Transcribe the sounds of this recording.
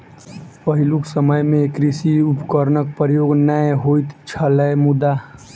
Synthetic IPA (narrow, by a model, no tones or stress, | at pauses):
pəɦɪluksəməjmẽkɾisiʊpkəɾnək̚pəɾjoːɡnajeɦoit̪t͡ʃʰəlɛmʊd̪a